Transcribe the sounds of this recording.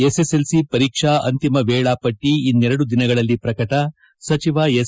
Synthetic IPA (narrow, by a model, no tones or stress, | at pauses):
eseselsipɐɾiːkʂaɐnt̪imɐʋɛːɭaːpɐʈːiːnːɛɾɐɽud̪inɐɡɐɭɐlːipɾɐkɐʈɐ | sɐt͡ʃiʋaːes